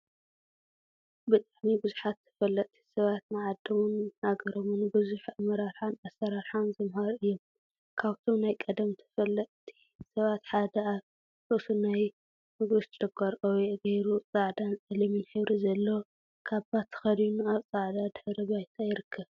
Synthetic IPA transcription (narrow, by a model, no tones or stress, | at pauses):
bɨt̪ʼaʕmibɨzuħat̪ʰːɨ̥fɐlːɐʔʼt̪ʰi̥sɐβat̪nɨʕad̪ːɐmunhaɡɐɾomunbɨzuħamɐɾaɾħanasːɐɾaɾħanzɨmhaɾɨjːom | kʰaβt̪ʰo̞mnajkʼɐd̪ɐmt̪ʰɨ̥fɐlːɐʔʼt̪ʰi̥ | sɐβat̪ħad̪ɐaβ | ɨsunaj | mɨɡɨst̪t͡ʃʼɐɡʰɐɾʔʼɐweʔɡɐjɾut͡sʼaʕd̪ansʼɐlɐminħɨβɾʔizɐlːo | kʰaβbat̪ʰːɨ̥xɐd̪unuaβt͡sʼaʕd̪ad̪ħɾɨβajt̪ʰajɪɾɨkʰːɐβ